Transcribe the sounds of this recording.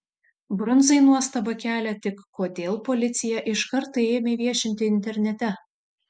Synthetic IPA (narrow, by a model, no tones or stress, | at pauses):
bɾɔnˑzɐɪnuɔst̪ɐbɐkʲæːlʲɛt̪ʲɪkːoːd̪ʲeːlˠpɔlʲɪt̪sʲɪjɛʔɪʃkɐɾt̪ɐeːmʲeʋʲiɛʃʲɪnʲt̪ʲɪɪnʲt̪ʲɛɾʲnʲɛt̪ʲɛ